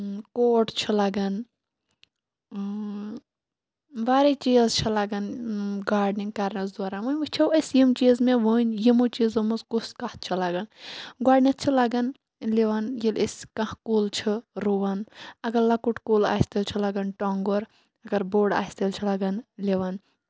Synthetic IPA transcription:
koːʈt͡ʃʰilɐɡɐn | ʋaːɾet͡ʃiːzt͡ʃʰilɐɡɐnɡaːɾɖniŋɡkɐɾnɐzd̪aːɾamujmɨt͡ʃʰɐwɐsjimt͡ʃiːzmẽʋunʲjimut͡ʃiːzɐmuzkuskaht̪̚t͡ʃʰilɐɡɐnɡaːɖnit̪̚t͡ʃʰilɐɡɐn | liʋɐnjilisʲkɐhkuːlt͡ʃʰiɾuʋɐnɐɡɐɾlɐkuʈkula̰ːst̪ilt͡ʃʰilɐɡɐnʈoːŋɡoɾ | ɐɡɐɾboːɖa̰ːst̪ilt͡ʃʰilɐɡɐnliʋɐn

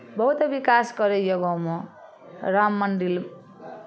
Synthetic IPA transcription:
bʌɦut̪ʌbikasɡʌɾejoɡʌmɔ | ramːʌnɖil

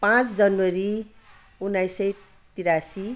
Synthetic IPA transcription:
pãt͡sd͡zʌnwʌɾi | unːajsʌj | t̪iɾasi

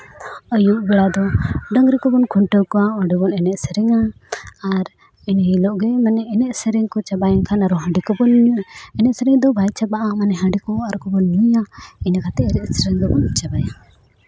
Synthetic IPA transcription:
əjuʔbɛɽad̪ɔɖəŋɾikɔbɔnkʰɔɳʈəwkɔaɔɖɛbɔnɛnɛʔsɛɾɛŋa | aɾ | inilɔʔɡɛmanɛɛnɛʔsɛɾɛŋkɔt͡ʃabajankʰanaɾɔɦə̃ɖikɔbɔnɛnɛʔsɛɾɛŋd̪ɔbʱajt͡ʃabaʔamanɛɦãɳɖikɔaɾkɔbɔnːiaiɲakat̪ɛɛɾɛʔsɛɾɛŋd̪ɔbɔnt͡ʃabaja

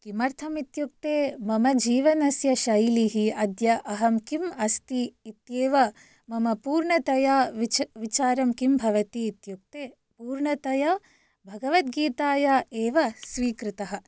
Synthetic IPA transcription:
kimɐɾt̪ʰɐmit̪juk̚t̪eːmɐmɐd͡ʒiːʋɐnɐsjɐʃɐjliɦiɐd̪jɐʔɐɦɐmkimɐst̪iːt̪jeːʋɐ | mɐmɐpuːɾɳɐt̪ɐjaːt͡ʃʋit͡ʃaːɾɐmkimbʱɐʋɐt̪iːt̪juk̚t̪eː | puːɾɳɐt̪ɐja | bʱɐɡɐʋɐt̪̚ɡiːt̪aːjaːeːʋɐsʋiːkɾit̪ɐɦɐ̆

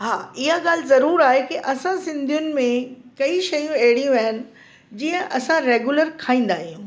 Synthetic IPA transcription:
ɦaːɪɦaɠaːl̤ɪzɐɾuːɾaːɦekiʔɐsãsɪ̃nd̪ʱijʊnɪ̆mẽkɐiʃɐjũɐeɦɪɽijũaːɦɪnɪ̆ | d͡ʑiːə̃ʔɐsãɾeːɡjuləɾkʰaːĩːn̆d̪aːɦijũ

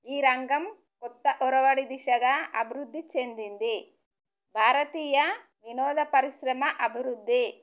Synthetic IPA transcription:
iːɾɐŋɡɐm | kɔt̪ːɐʔɔɾɐʋɐɽid̪iʂɐɡɐɐ̰bʱiɾud̪ʱːit͡ʃend̪ind̪i | bʱaːɾɐt̪iːjɐ | ʋinɔːd̪ɐpɐɾiʃɾɐmɐʔɐbʱiɾud̪ːi

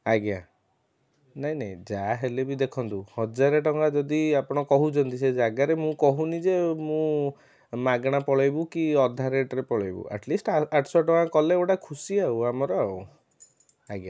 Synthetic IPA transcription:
aɡja | naɦĩnaĩd͡ʒaɦelebid̪ekʰɔnt̪uhɔd͡ʒaɾeʈɔŋɡad͡ʒɔd̪iapɔɽ̃ɔkɔɦut͡ʃʰɔnt̪ised͡ʒaɡaɾemũkɔɦunid͡ʒemũ | maɡɽ̃apɔɭɔjbukiɔd̪ʱaɾeʈɾepɔɭɔjbṵʔa̰ʈlisʈaʈʰɔsɔʈɔŋɡakɔleoʈakʰusiauamɔɾɔaw | aɡja

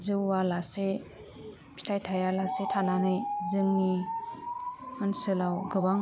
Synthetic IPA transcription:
zɯwalase | pʰi̥tʰajtʰajalasetʰananɯjzɯŋni | ɯnsɯlawɡɯbaŋ

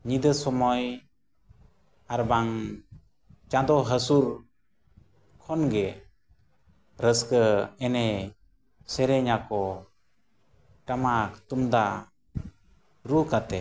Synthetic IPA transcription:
ɲid̪əsɔmɔj | aɾbaŋ | t͡ʃãd̪ɔɦəsuɾ | kʰɔnɡɛ | ɾəskəɛnɛ | sɛɾɛɲakɔ | ʈamakʰə̥t̪umd̪a | ɾukat̪ɛ

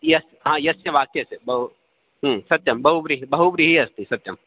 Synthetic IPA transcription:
jɐs | ɦãːjɐsjɐʋaːkesebɐɦu | ɦːsɐt̪jɐmbɐɦubɾiɦibɐɦubɾiɦiɐst̪isɐt̪jɐm

